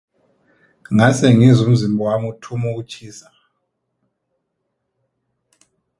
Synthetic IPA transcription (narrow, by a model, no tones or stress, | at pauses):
ŋasɛŋizum̩zimbʱɔwamutʰumuk̬ut͡ʃʰiːsa